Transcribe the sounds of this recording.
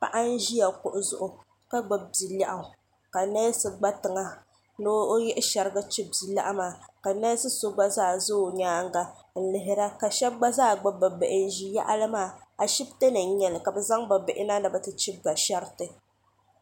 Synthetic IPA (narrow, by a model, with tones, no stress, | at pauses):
pa̰˨ʔa˦n̩˦ʒi˦ja˨kʊ˨ʔʊ˨zʊ̰˨ʔʊ˨ | ka˦ɡ͡ba˨b̚bi˨la̰˨ʔa˨ | ka˨nɛ˦sɨ˨ɡ͡ba˦tɨ˨ŋa˦ | no˦jɛ˦ʔɪ˦ʃɛ˨ɾɨ˦ɡa˦t͡ʃɪ˦bi˨la̰˦ʔa˦maː˨ka˨nɛ˦sɨ˦so˦ɡ͡ba˦zaː˦˨zo˦˨ɲaː˦ŋ˦ɡa˦ | n̩˦lɪ˨ɦɪ˦ɾa˦ka˨ʃɛ˦b̚ɡ͡ba˦zaː˦˨ɡ͡ba˦ba˨be˨ʔɪ˨n˦ʒi˨ja̰˦ʔa˦lɨ˦maː˦˨a˨ʃi˦b̚te˦nɨ˨˦ɲɛ˨lɨ˨ka˨bɛ˨za˦ŋba˨be˨ʔɪ˦na˦nɨ˨ba˨tɨ˦t͡ʃɛ˦ba˨ʃɛ˦ɾtɨ˨